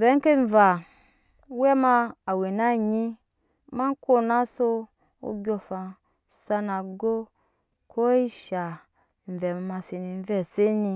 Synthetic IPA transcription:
vɛ˨˦ŋ̩˦ke˦ɱ˨va˨˦ | wɛ˦ma˧a˨we˨na˦ɲi˦ | ma˦ŋ˦ko˦na˦so˦ | o̰˧˦ɡʲo˧fa˧ | sa˧na˨ɡo˦ | kʰo˦i˦ʃa˨ | m̩˨vɛ˨ma˧ma˧si˨ni˧n˦vɛ˦˨se˦ni˧

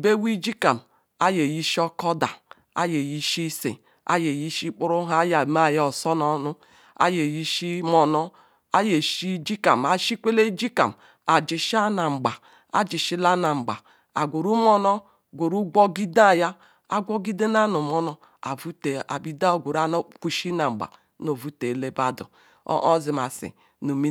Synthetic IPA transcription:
be˦wi˦d͡ʒi˦ka˨m | a˦je˨ji˦ʃi˦ɔ˦kɔ˦da̰˨ | a̰˦je˨ji˦ʃi˦sḛ˨ | a̰˦je˨ji˦ʃi˦k͡pu˦ɾu˦ɦa˦ja˨ma˦˨ja˦ɔ˨sɔ˦nɔ˦nu˦ | a̰˦je˨ji˦ʃi˦mɔ˨nɔ˦ | a˦je˨ʃi˦d͡ʒi˦ka̰˨ma˨ʃi˦kʷe˦le˦d͡ʒi˦ka̰˨m | a˨d͡ʒi˨ʃi˦a˦na˨ŋ͡m̩˨ɡ͡ba˨ | a̰˨d͡ʒi˨ʃi˦la˦na˨ŋ͡m̩˨ɡ͡ba˨ | a˨ɡʷo˨ɾu˦mɔ˦nɔ˦ | ɡʷo˨ɾu˦ɡɔ˦ɡi˦da˦˨ja˦ | a˦ɡʷɔ˦ɡi˦de˦na˦nu˨mɔ˦nɔ˦ | a˨vu˦te˨a̰˨bi˨da˦o˨ɡʷo˨ɾa˦no˦ku˨ʃi˦na˨ŋ͡m̩˨ɡ͡ba̰˨ | no˨vu˦te˨le˦ba˦dṵ˨˦ | ʔɔ˦zi˨ma˨sḭ˨ | nu˨mi˦

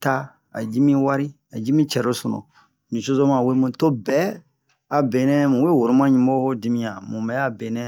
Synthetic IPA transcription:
ta˦ | a̰˨d͡ʒi˦mĩ˦wa˦ɾi˦ | a˨d͡ʒi˦mĩ˦t͡ʃɛ˨ɾo˦sɔ̃˨nɔ̰̃˨ | nĩ˨so˦zo˦mã˨we˦mũ˨to˦bɛ˨˦ | a˨be˨nɛ̃˦mũ˨we˦wo˨ɾu˦mã˦ɲũ˦m˦o˦ho˦di˦mĩ˦jã˨mũ˨mbɛ˨˦a˦be˨nɛ̃˦

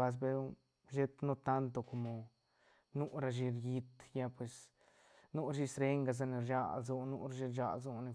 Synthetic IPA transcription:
a˧s̬be˦u˦ | ʒe˦t̪no˦t̪a˦nt̪o˧ko˨mo˨ | nu˦ɾa˧ʃi˧ɾji˧t̪ja˧pwe˨s | nu˦ɾʃi˦˧sɾe˦ŋɡa˧z̬a˧ne˧ɾd͡ʒa̰˧˨lzu˧nu˧ɾʃi˧ɾd͡ʒa̰˧lzu˧ne˧

